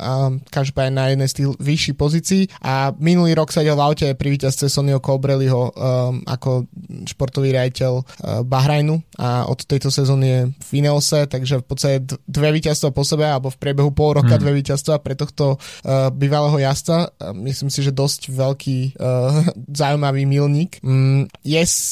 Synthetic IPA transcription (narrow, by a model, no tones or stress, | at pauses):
kaʒd̪ɔpaːɲɛnajɛd̪nɛjst̪iɣʋiʃːixpɔziːt͡siiːʔaminuliːɾɔksaɟɛlʋaʊcɛɛpɾiʋiːcast̪t͡sɛsɔniɔkɔbɾɛliɦɔa̰kɔʃpɔɾt̪ɔʋiːɾɪaɟicɛlbaɦɾajnua̰ɔ̰t̪ːɛjt̪ɔsɛzɔːnijɛffinɛlsɛt̪aɡʒɛfpɔt̪st̪acɛd̪ʋɛʋiːcast̪ʋapɔsɛbɛalɛbɔfpɾɪɛbɛɦupɔlˠɾɔkad̪ʋɛʋiːcast̪ʋapɾɛt̪ɔxt̪ɔbiːʋalɛːɦɔjast͡samisliːmsiʒɛd̪ɔscʋɛlkʰiː | zaumaʋiːmilɲiːk | jɛs